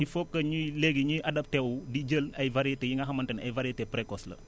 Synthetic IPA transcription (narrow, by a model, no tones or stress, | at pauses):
ifɔkːɐɲuleɡiɲujʔɐdɐp̚tɛwudid͡ʒəlɐjvaɾijetejiŋɡɐɦɐmɐntɐnɐ̰jvaɾiɐtepɾekɔslɐ̰